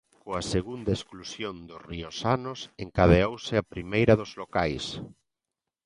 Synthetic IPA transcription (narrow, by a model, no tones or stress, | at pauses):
koaseɣund̪aesklusjond̪ʊsriosanʊseŋkaðeowsɪapɾimejɾɐðʊzlokajs